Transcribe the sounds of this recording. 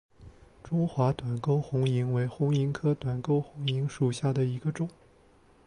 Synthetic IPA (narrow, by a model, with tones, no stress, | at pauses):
ʈ͡ʂʊ˥ŋxwa˧˥t̪wa˨˩nko˥ʊxʊ˧˥ŋi˧˥ŋwe˧˥ɪxʊ˧˥ŋi˧˥ŋkʰɤ˥t̪wa˨˩nko˥ʊxʊ˧˥ŋi˧˥ŋʂu˨˩ɕja˥˩d̪ə˩i˧˥ɡə˧ʈ͡ʂʊ˨˩˦ŋ